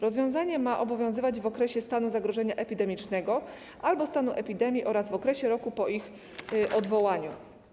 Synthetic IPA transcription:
ɾɔzvʲjɔ̃w̃zaɲɛmaʔɔbɔvʲjɔ̃w̃zɘvad͡ʑvɔkɾɛɕɛst̪anuzaɡɾɔʐɛɲaʔɛpʲid̪ɛmʲit͡ʂnɛɡɔ | ʔalbɔst̪anuʔɛpʲid̪ɛmʲjiʔɔɾazvɔkɾɛɕɛɾɔkupɔʔix | ɔd̪vɔwaɲu

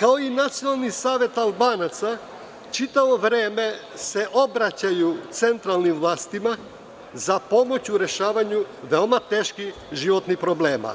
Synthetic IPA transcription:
kao̞inat̪sijonalˠnisaːʋe̞t̪alˠbaːnat̪sa | t͡ʃit̪aʋo̞ʋɾeːme̞ | se̞ʔo̞bɾat͡ɕajut̪se̞nt̪ɾalnimvlˠaːst̪ima | zapo̞mo̞t͡ɕuɾe̞ʃaːʋaɲuʋeomat̪e̞ːʃkix | ʒiʋot̪nipɾo̞bleːma̰

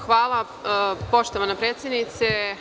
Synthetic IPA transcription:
xʋaːlˠa | po̞ʃt̪oʋanapɾeːt̪sʲjed̪nit̪se

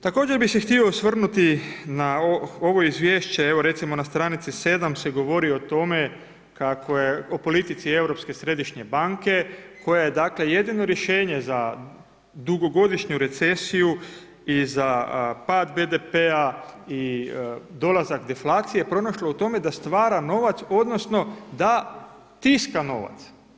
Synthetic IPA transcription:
t̪ako̞ːd͡ʑeɾbise̞xt̪io̞sʋr̩nut̪inaoo̞ʋo̞izʋjeːʃt͡ɕe̞eʋo̞ɾe̞t̪simo̞nast̪ɾaːnit̪sise̞d̪amse̞ɡo̞ʋo̞ɾiot̪o̞me̞ | kako̞jeopo̞lit̪it̪sie̞wɾo̞pske̞sɾe̞d̪iʃɲe̞baŋke̞kʰo̞jejed̪akle̞je̞d̪ino̞ɾje̞ʃe̞ːɲe̞za | d̪uɡo̞ɡo̞d̪iʃɲuɾe̞t̪se̞siju | izapaːd̪bed̪epeai | d̪o̞lazakd̪eflaːt̪sije̞pɾo̞naʃlout̪o̞me̞d̪ast̪ʋaːɾano̞ʋat̪so̞d̪no̞sno̞d̪a | t̪iskano̞̰ʋa̰t̪s

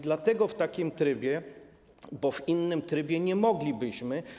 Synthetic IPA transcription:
d̪lat̪ɛɡɔft̪akʲimt̪ɾɘbʲjɛ | bɔvinːɘmt̪ɾɘbʲjɛɲɛmɔɡlʲibɘɕmɘ

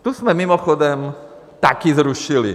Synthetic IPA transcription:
t̪uzmɛmimɔxɔd̪ɛm | t̪akizɾuʃilḭ

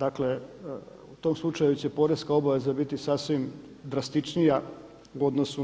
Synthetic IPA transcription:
d̪akle̞ | ut̪o̞mslˠut͡ʃajut͡ɕe̞po̞ɾeskao̞baʋe̞zabit̪isasʋim | d̪ɾast̪it͡ʃnija | uo̞d̪nosu

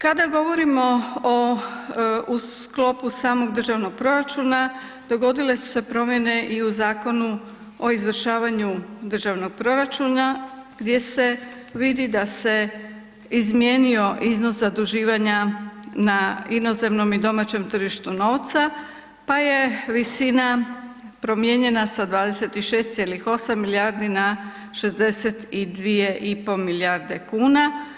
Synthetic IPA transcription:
kad̪aɡo̞ʋo̞ɾimo̞o | us | klo̞pusaːmo̞ɡd̪r̩ʒaʋno̞ɡ̚pɾo̞ɾat͡ʃuːna | d̪̥o̞ɡo̞d̪ile̞su̥se̞pɾo̞mje̞ne̞ʔiuzaːko̞nu | o̞izʋər̩ʃaːʋaɲud̪r̩ʒaʋno̞ɡ̚pɾo̞ɾat͡ʃuːnaɡd̪je̞se̞ | ʋid̪id̪ase̞ | izmjeːnio̞ʔizno̞szad̪uʒiːʋaɲanaino̞ze̞mno̞mid̪o̞mat͡ɕe̞mt̪r̩ʒiʃt̪uno̞ːʋt̪sa | paje̞ʋisina | pɾo̞mje̞ɲe̞nasad̪ʋaːd̪ese̞t̪iʃe̞ːst̪jelixo̞samːiljaɾd̪ina | ʃe̞zd̪e̞set̪id̪ʋije̞ʔipo̞miljaɾd̪e̞kuːna

